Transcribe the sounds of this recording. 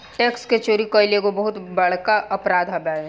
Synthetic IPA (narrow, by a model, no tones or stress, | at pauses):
ʈeːksket͡ʃoːɾikoɪlekobɐɦʊt̪bɐɽ̤kaʔɐpɾaːd̪ʱɦabaːe